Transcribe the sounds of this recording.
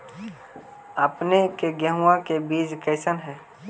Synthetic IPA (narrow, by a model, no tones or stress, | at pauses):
əpnekeɡjəɦuãkebiːd͡ʒkəɪsənɦɛ̃ː